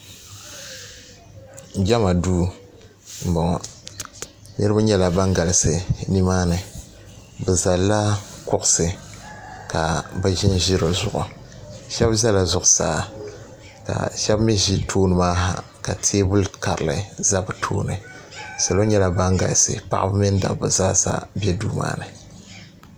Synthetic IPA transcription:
ɡʲɛ˦ma˨duː˦ | m̩˨bɔ˨ŋɔ˨ | nɨ˦ɾɨ˦ba˦ɲɛ˦la˨ba˦ŋɡa˨lɨ˨sɨ˨ni˦maː˦nɨ˨ | bɨ˨za˨lːa˦kʊ˦ʔʊ˦sɨ˨ | ka˨bɨ˦ʒi˦n˦ʒi˦ɾɨ˨zʊ˨ʔʊ̰˨ | ʃɛ˦bza˦la˨zʊ˨ʔʊ˨sa̰ː˦ | ka̰˨ʃɛ˦bmi˦ʒi˦tʰoː˦nɨ˨maː˦ɦa̰˨ | ka˨tʰeː˦bu˦lka˨ɾɨ˨lɨ̰˨za˦bɨ˨tʰo̰ː˦nɨ˨ | sa˨lo˦ɲɛ˦la˨ba˦ŋɡa̰˨lsɨ̰˨pa̰˦ʔa˦bɨ˦mi˦n˦da̰˨bɨ˨zaː˦sa̰˦bɛ˦duː˦ma̰ː˦nɨ˨

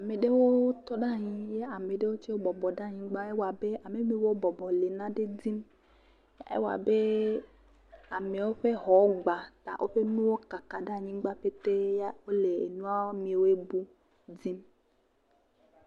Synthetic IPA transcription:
a˨me˨ɖe˦wo˦t̪ɔ˦ɖa˦˨ɲĩ˦je˦a˨me˨ɖe˦wo˦t͡ʃe˦wo˦bɔ˨bɔ˨ɖa˦˨ɲĩ˦ɡ͡ba˦e˦wa˨be˦ʔa˨me˨mĩ˦wo˦bɔ˨bɔ˨le˨nã˦ɖe˦d͡zi˦m | ḛ˦wa̰˨be˦ | a˨me˨wo˦ɸe˦ɦɔ˨˦ɡ͡ba˨t̪a̰˨ʔo˦ɸe˦nũ˦wo˦ka˨ka˨ɖa˦˨ɲĩ˦ɡ͡ba˦ɸe˦t̪e˦ja˦wo˦le˨ḛ˨nũ˦a˦mĩ˨˦˨wo˦e˦bu˦ | d͡zi˦m

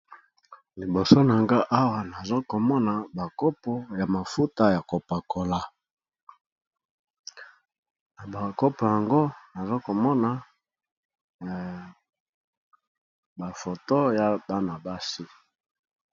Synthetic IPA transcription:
li˨bo˨so˦na˨ŋɡa˦ʔa˦wa˨na˨zo˦ko˨mɔ˦na˨ba˨ko˦po˦ja˨ma˨fu˦ta˦ja˨ko˨pa˨ko˨la˨ | na˨ba˨ko˦po˨ja˨ŋɡo˦na˨zo˦ko˨mɔ˦na˨ | ba˨fo˨to˦ja˨ba˦na˨ba˦si˦

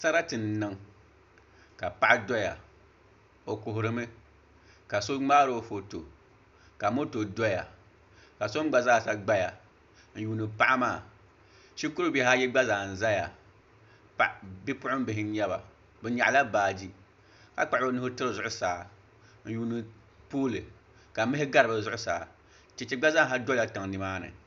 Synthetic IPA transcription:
sa˦ɾa˦tɨ˨nː˨ɨ˦ŋ | ka˨pa˦ʔa˦dɔ˦ja̰˨ | o˨kʊ˨ɦʊ˨ɾɨ˦mɨ˦ | ka˨so˦ŋ͡maː˦ɾo˦fo˨to˨ | ka˨˦mo˦to˨dɔ˦ja˨ | ka˨so˦m˦ɡ͡ba˨zaː˦˨sa˦ɡ͡ba˦ja˨ | n̩˦juː˨nɨ˨pa˦ʔa˦maː˦˨ | ʃi˦ku˦ɾu˦bɛ˨ɦa˦jɛ˦ɡ͡ba˦zaː˨n̩˨za˦ja˨ | pa˨ʔbi˦pʊ˦ʊ˦m˦bɪ˨ɦɪ˦n̩˦ɲɛ˦ba̰˨ | bɛ˨ɲa˨ʔla˦baː˨d͡ʒi˦ | ka˨k͡pa˨ʔo˦nʊ˦hʊ˦tɨ˦ɾɨ˨zʊ˨ʔʊ˦saː˨ | n̩˦juː˨˦nɨ˨ | poː˦lɨ˨ | ka˨˦mɪ˦ɪ˦ɡa˦ɾɨ˨ba˨zʊ˦ʔʊ˦saː˨ | t͡ʃɛ˨t͡ʃɛ˨ɡ͡ba˦za˦ɦa˦dɔ˦a˨ta˨ŋ˨nɨ˨maː˦nɨ̰˨

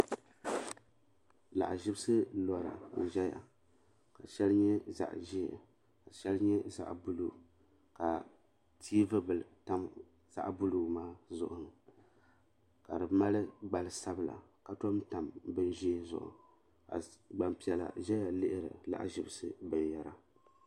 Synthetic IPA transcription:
la̰˨ʔʒɪ˦bɨ˦sɨ˦lɔ˨ɾa̰˨n̩˨ʒɛ˦ja̰˨ | ka˨ʃɛ˦lɲɛ˦za̰˨ʔʒḭ˦˨ | ka˨ʃɛ˦lɲɛ˦za̰˦ʔbu˦lu˦˨ | ka˨ | tʰiː˦vɨ˦bɨ˨lta˦m | z̥a̰˦ʔbʊ˦lu˦˨maː˦zʊ˦˨ʔʊ˨ | ka˨dɨ˨ma˦lɨ˦ɡ͡ba˨lɨ˨sa˦bɨ˦la̰˨ka˨to˦mta˨mbɨ˦nʒi˦zʊ̰˨ʔʊ̰˨ | ka̰˨ɡ͡ba˨mpi˨ɛ˨la̰˨ʒɛ˦ja˨lɪ˦ʔɪ˦ɾɨ̰˨la̰˨ʔʒɪ˦bɨ˦sɨ˦bɨ˨nja˨ɾa˨

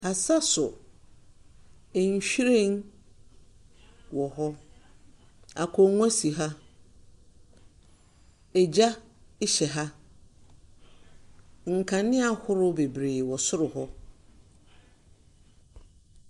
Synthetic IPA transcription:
a˨sa˦sʊ˨ | ɛ˨ɲ̩˨ɕᶣi˦ɾẽ˦n | wɔ˨ɦɔ˦ | a˨kʰɔ˨ŋ˦a˦si˨ɦa˦ | ɛ˨d͡ʑa˦ | ɪ˦ɕɛ˨ɦa˦ | ŋ̩˨kʰã˨nɪ̃˦a˨hʊ˦ɾʊ˦be˨bɾeː˨wɔ˨sʊ˦ɾʊ˨hɔ˦

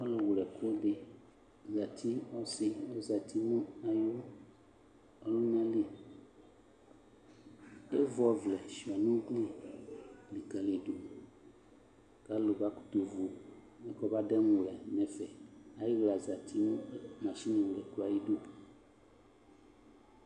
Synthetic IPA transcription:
ɔ˦lo˨wu˨lɛ˨ko˦be˨ | za˨t̪ʰi˦ɔ˦si˦o˦za˨t̪ʰi˦mũ˦a˨jo˦ | ɔ˦lo˦nã˦le˦˨ | e˦vɔ˦˨vlɛ˨ʃi˨ɔ˨nũ˦ɡli˦ | li˨ka˨li˨ɖo˨ | ka˦lo˨ba˦ku̥˦t̪o˨vo˨ | mɛ̃˦kɔ˦ba˦ɖɛ˦mũ˨lɛ˨nɛ̃˨fɛ˨a˨je˦ɡ͡bla˨za˨t̪ʰi˦mũ˦mã˨ʃi˦nĩ˨lɛ˨ko˦a˨ji˦ɖo˦˨

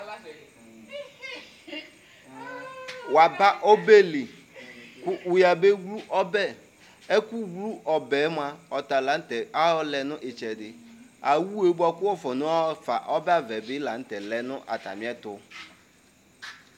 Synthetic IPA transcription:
wa˨ba˦ʔo˦be˦lɪ˨ | kʊ˦ʔu˨ja˨be˦ɡlu˦ʔɔ˦bɛ˦ | e˦ku˦ɡlu˦ʔɔ˨bɛ˨˦m˦a˨ɔ˨t̪a˨la˨n̩˦tɛ˨a˦ɔ˦lɛ˨nʊ̃˦ʔɪ˨t͡ʃɛ˨dɪ˨ | a˨wu˦e˨˦ba˦kʊ˦wɔ˦fɔ˨nʊ̃˦a˦ɔ˦fa̰˨ʔɔ˦bɛ˦a˦vɛ˨bɪ˦la˨n̩˦t̪ɛ˨lɛ˨nʊ̃˦ʔa̰˨t̪a̰˨mĩ˦ɛ˦t̪ʊ˦

